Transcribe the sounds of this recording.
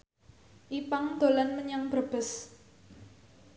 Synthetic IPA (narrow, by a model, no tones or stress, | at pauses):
ʔipaŋd̪̥o̤lanməɲaŋb̥əb̥ə̤s